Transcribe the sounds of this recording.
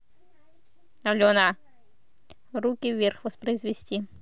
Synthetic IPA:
ɐlʲɔna | ɾukʲiwʋʲɛrxʋɔspɾɐjzʋʲisʲtʲi

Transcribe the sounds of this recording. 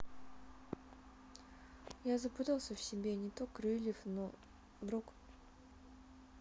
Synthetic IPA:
jazəpɨt̪alˠsʲəfsʲɪbʲenʲɪt̪okrɨlʲɪfno | d̪ɾuk

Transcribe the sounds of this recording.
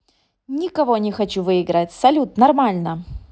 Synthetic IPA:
nʲɪkɐvo̞nʲɪxɐt͡ɕuvɨɪɡɾatʲsɐlʲut̪nɐrmalʲnə

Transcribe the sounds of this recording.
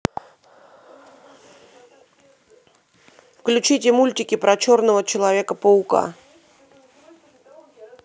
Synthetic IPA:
fklʲʉt͡ɕitʲɪmulʲtʲɪkʲɪpɾɐt͡ɕo̞rnəvət͡ɕɪlˠɐvʲe̞kəpəʊka̰

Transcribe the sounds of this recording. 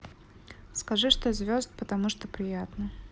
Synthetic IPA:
skɐʐɨʂt̪ozvʲozd̪̚pət̪ɐmuʂt̪opɾʲɪjat̪nə

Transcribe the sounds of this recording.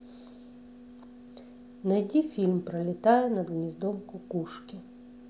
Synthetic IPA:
nɐjdʲifʲilʲmpɾɐlʲɪt̪ajɛnɐd̪ɣnʲizd̪ɔmkʊkuʂkʲi

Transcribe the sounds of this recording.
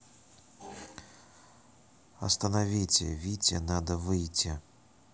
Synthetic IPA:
ɐ̰st̪ɐnavʲit͡sʲɛ̰vʲit͡sʲɛnad̪ɐvɨjt͡sʲi

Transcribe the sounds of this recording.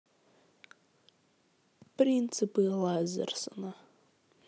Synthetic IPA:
print͡sʰɨpʼɨlazɨ̰rsɨna

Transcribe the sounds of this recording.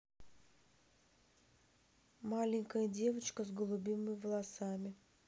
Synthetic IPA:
malʲɪŋʲkəjədʲe̞vət͡ɕkəzɡəlˠʊbʲimɨmʲɪvəlˠɐsamʲɪ

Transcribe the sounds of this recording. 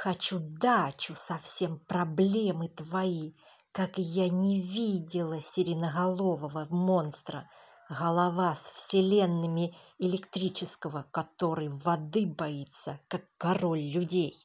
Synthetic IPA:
xɐt͡ɕud̪at͡ɕʊsɐfsʲe̞mpɾɐblʲe̞mɨt̪vɐi | kakjanʲɪvʲidʲɪlˠəsʲɪɾʲɪnəɣɐlˠo̞vəvəmo̞nst̪ɾə̰ | ɣəlˠɐvasfsʲɪlʲe̞nːɨmʲɪɪlʲɪkt̪ɾʲit͡ɕɪskəvəkɐt̪o̞ɾɨjvɐd̪ɨbɐit̪səkakːɐro̞lʲːʊdʲej

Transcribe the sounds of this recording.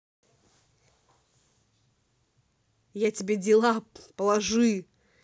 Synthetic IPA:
jatʲɪbʲedʲɪlˠapəlˠɐʐɨ

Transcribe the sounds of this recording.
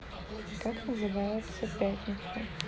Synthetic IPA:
kaknəzɨvajʊt̪sɐpʲæt̪ʲnʲɪt̪sɐ

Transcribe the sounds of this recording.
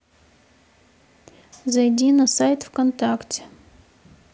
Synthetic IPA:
zɐjdʲinɐsajt̪fkont̪aktʲ

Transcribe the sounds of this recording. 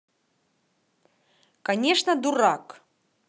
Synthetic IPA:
kɐnʲeʂnəd̪uɾak

